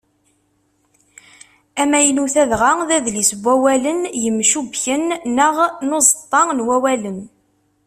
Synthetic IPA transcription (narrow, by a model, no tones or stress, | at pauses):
æmæjənuθæðʁaðæðlisəbʷːæwælənjəmːʃubçənːəʁnozˤət̪ˤːɑnwæwælən